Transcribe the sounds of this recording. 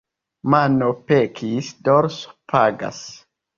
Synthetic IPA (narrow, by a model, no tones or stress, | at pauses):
manopekʰisdɔɾspʰaɡa̰s